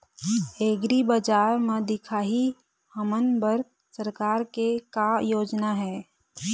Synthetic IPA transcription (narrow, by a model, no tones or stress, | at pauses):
eːɡɾibəd͡ʒaːɾmẽd̪ɪkʰaːɦi | həmənbəɾ | səɾkaːɾkekajoːd͡ʒnaɦɛː